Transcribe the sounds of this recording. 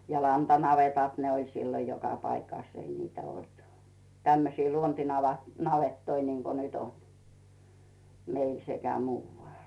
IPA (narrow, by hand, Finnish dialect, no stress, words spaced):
jɑ lɑntɑnɑʋetɑˑt ne olʲ silːo jokɑ pɑikɑˑs ei niːtæ olt tæmːøsiː luontinɑʋɑ nɑʋetːoi niŋko nyt on meil sekæ muːʋːɑˑl